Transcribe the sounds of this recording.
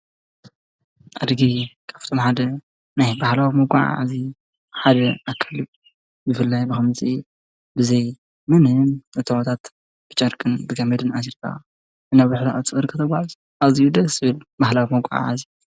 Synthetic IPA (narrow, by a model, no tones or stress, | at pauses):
ʔad̪ɡikʰḁft̪ʰomħad̪ɐ | najbahlawimoɡʷʼaʕ̰ʕa̰zi | ħad̪ɐakʰːali | bɨfɨlːajbɨxɨmzʼi | bɨzɐj | mɨnɨmɨt̪ʰɐwat̪ʰat̪ | b̥ɨt͡ʃʼɐɾkʼɨnbɨɡɐmɐd̪ɨnasɾkʰʼa̰ | ɨnaβaħt̪aɨt͡sʼɨχʼɨɾkʰɨt̪ʰɐɡʷaʕɨz | ʔazijud̪ɐsɨβɨlbahlawimoɡʷʼa̰ʕa̰ʕa̰zi